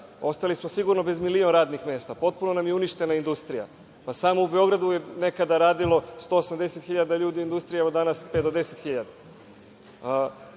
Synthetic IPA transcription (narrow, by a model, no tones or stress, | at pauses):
o̞st̪alismosiɡuɾno̞be̞zmilio̞nɾaːd̪nixme̞ːst̪apo̞t̪̚puno̞namjeuniʃt̪e̞naind̪ust̪ɾija̰ | pasaːmo̞ubeo̞ɡɾad̪ujene̞kad̪aɾaːd̪ilo̞st̪o̞ːosamd̪e̞set̪xiʎad̪aʎuːd̪iuind̪ust̪ɾijeod̪anasped̪od̪e̞set̪xiʎad̪a